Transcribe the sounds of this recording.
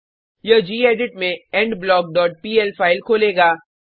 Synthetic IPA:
jəd͡ʒiːeːɖɪʈmẽɛ̃ɳɖblɔːɡ̚ɖɔːʈ̚piːɛlpʰaːɪlkʰoːleːɡaː

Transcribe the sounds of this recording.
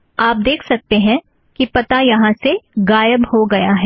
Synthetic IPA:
aːp̚d̪eːkʰsɐk̚t̪eɦɛ̃ | kipɐt̪ajɐɦãseɡaːjəbhoɡɐjaɦɛː

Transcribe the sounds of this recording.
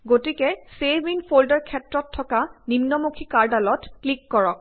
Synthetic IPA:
ɡotikɛsebinpʰoldɔɹkʰɛtɹɔtʰːɔkanimnɔmukʰikaɹdalɔtklikːɔɹɔk̚

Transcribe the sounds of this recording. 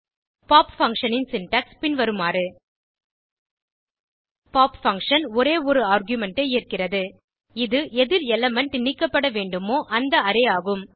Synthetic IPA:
paːpfɐŋkʂɐnɪnsɪnʈɐkspɪnʋɐɾɯmaːɾɯ | paːpfɐŋkʂɐnɔɾeːɔɾɯaːɾɡjʊmɛɳʈeeːrkɪrɐðɯ | ɪðɯʔɛðɪɾɛlɐmɛɳʈnɪkːɐpːɐɽɐʋeːɳɖɯmoːʔɐnd̪ɐɐɾɛjaːɣɯm

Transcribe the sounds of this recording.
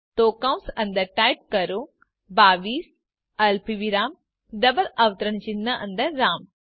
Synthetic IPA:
t̪oːkaːwnsɐ̃nd̪əɾʈaːjp̚kɐɾo | baːʋiːs | ɐlpiʋiɾaːm | ɖɐbəlɐʋt̪əɾəɳ̃t͡ʃinːəʔɐ̃nd̪əɾːaːm

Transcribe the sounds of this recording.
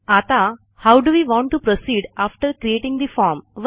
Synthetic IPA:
at̪a | hawɖuʋiːʋɔ̃ːɳʈːupɾosiːɖafʈəɾkɾieʈĩŋd̪ifɔːɾmʋ

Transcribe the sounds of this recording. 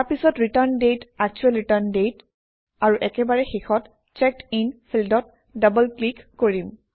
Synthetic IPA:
aɹpisɔtɹitaɹndetak̚t͡ʃuɛlɹitaɹndet | aɹuʔɛkɛbaɹɛxixɔt | t͡ʃɛk̚tinpʰildɔt̚ | dabəlklikːoɹim

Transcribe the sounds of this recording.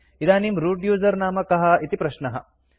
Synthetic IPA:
id̪aːnimɾuːɖjuːzɐɾnaːmɐkɐɦɐ̆it̪ipɾɐʃnɐɦɐ̰̆

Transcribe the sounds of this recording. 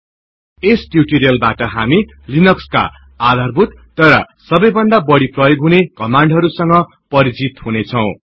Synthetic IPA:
esʈjuʈiɾijʌlbaʈʌɦami | linʌkska̰ | ad̪ʱarbʱut̪ːʌɾʌ̰ | sʌbʌjbʌnd̪abʌɽiprʌjoɡɦunekʌmaɳɖɦʌɾusʌŋɡʌ | pʌɾit͡sit̪hunet͡sʰʌw̃

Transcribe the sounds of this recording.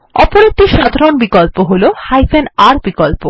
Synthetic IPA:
ɔpoɾek̚ʈiʃad̪ʱaɾonbikolpoɦolohajfʰenaɾbikolpo

